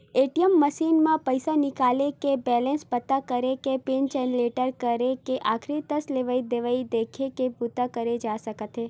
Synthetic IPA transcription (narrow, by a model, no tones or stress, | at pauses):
eʈijəmːəʃinmãpəjsanɪkalekebɛlẽnspət̪ːakəɾekepend͡ʒɛnleʈəɾkəɾekeʔakʰɾit̪əsleʋaid̪eʋaid̪ekʰekeput̪akəɾed͡ʒasəkət̪ʰe